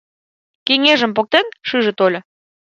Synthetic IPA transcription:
keŋeʒə̆mpok̚t̪enʃɨʒə̆t̪olʲɤ̆

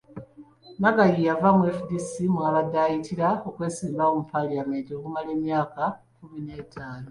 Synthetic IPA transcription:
naɡajijavamwefdisimwaβadaːjitiɾao̞kwe̞ːsiːmbaomupʰaliame̞nto̞ːkumale̞ːmjaːkakumine̞ːtʰaːno

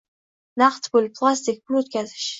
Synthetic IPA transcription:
naqt̪bʊlʲpʰlˠast̪ik̚ʲbʊlʲot̪̚kʲazɪʃ

